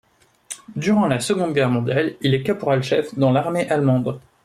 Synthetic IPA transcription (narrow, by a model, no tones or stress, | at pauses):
d̪yʁɑ̃lasəɡɔ̃d̪ɡʲɛʁmɔ̃d̪jalilɛkapɔʁalʃɛfd̪ɑ̃laʁmeʔalmɑ̃d̪